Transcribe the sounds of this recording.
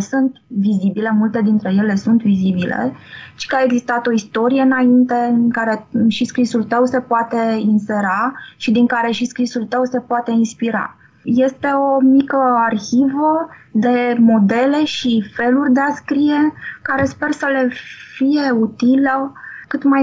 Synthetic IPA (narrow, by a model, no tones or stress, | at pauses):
sunt̪vizibile̞mult̪e̞d̪int̪ɾe̞je̞le̞sunt̪vizibilḛt͡ʃi̥kaeɡzist̪at̪o̞ist̪o̞ɾije̞ɨnaint̪e̞kaɾe̞ʃiskɾisult̪əwse̞poat̪e̞inse̞ɾaʃid̪iŋkaɾe̞ʃiskɾisult̪əwse̞poat̪e̞inspiɾa̰ | je̞st̪e̞o̞mikəarçivəd̪e̞mo̞d̪e̞le̞ʃife̞lurʲd̪e̞askɾije̞kaɾe̞spe̞rsəle̞fije̞ut̪iləkɨt̪maj